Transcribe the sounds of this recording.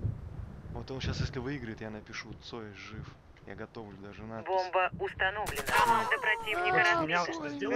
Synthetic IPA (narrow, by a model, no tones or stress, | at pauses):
vot̪o̞nɕasjesʲlʲɪvɨiɡɾəɪt̪janəpʲɪʂut̪soɪʐɨf | ja̰ɡɐt̪o̞vlʲʊd̪aʐɨnabo̞mbəʊst̪ɐno̞vlʲɪnəd̪əpɾɐtʲivnʲɪkəɾɐnʲanəzʲd̪ʲe